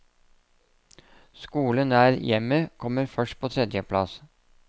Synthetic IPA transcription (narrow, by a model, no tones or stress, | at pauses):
skuːlənæːɾjɛməkʰɔməɾfœʂʈ̚pʰoːt̪ʰɾɛd̪jəpʰlɑ̰s